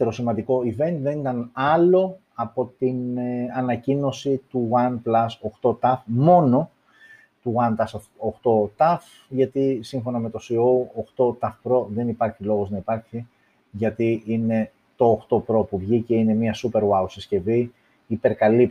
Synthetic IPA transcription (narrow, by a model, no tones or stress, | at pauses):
eɾo̞simɐnd̪iko̞ive̞nt̪ðe̞nit̪ɐnɐlo̞ | ɐpo̞t̪inɐnɐcino̞sit̪uwɐnplɐsoxt̪o̞t̪ɐfmo̞no̞ | t̪uɣɐnt̪ɐsofoxt̪o̞t̪ɐf | ʝɐt̪isiɱfo̞nɐme̞t̪o̞siowoxt̪o̞t̪ɐfpɾo̞ðe̞nipɐɾçilo̞ɣo̞znɐipɐɾçi | ʝɐt̪iine̞ | t̪o̞ːxt̪o̞pɾo̞puvʝice̞ine̞miɐsupe̞ɾwɐwsisce̞vi | ipe̞ɾkɐlip